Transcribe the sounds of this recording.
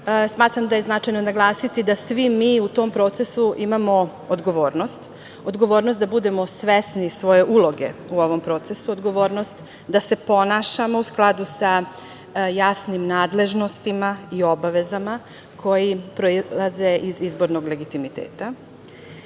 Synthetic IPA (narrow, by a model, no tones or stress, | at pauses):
smaːt̪ɾamd̪aje̞znat͡ʃajnonaɡlˠaːsit̪id̪asʋimiːut̪o̞ːmpɾo̞ːt̪se̞suʔimamo̞ | od̪ɡo̞ʋo̞ːɾnost̪ | od̪ɡo̞ʋo̞ːɾnost̪d̪abud̪e̞mo̞sʋesnisʋo̞je̞ʔulˠo̞ɡe̞̰uo̞ʋo̞mpɾo̞ːt̪se̞suod̪ɡo̞ʋo̞ːɾno̞st̪ | d̪ase̞po̞naʃamo̞usklˠad̪usa | jasnimnaːd̪le̞ʒno̞st̪imaio̞baʋe̞zama | kʰo̞jipɾo̞ilaze̞ʔizizbo̞ɾno̞ɡle̞ɡit̪imit̪ḛːt̪a